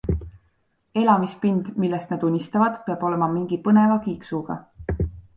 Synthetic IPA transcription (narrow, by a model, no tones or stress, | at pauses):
e̞lɑmispind̪̥milːest̪nɑd̪unʲːist̪ɑvɑd̪̥peɑb̥o̞le̞mɑmiŋɡ̥ipɤne̞vɑkiːksuɡ̥ɑ̰